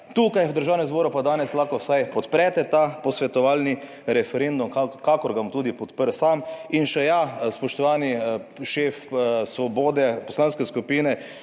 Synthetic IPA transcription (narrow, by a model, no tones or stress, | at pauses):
t̪uːkajwd̪əɾʒaːwnɛmzboːɾupad̪aːnɛslaxkɔwsajpɔt̪pɾɛt̪ɛt̪apɔsʋɛt̪ɔʋaːlni | ɾɛfɛɾend̪umkakakɔɾɡat̪uːd̪ipɔt̪pəɾsaminʃɛjaspɔʃt̪ɔʋaːniʃeːfsʋɔboːd̪ɛpɔslaːnskɛskupiːnɛ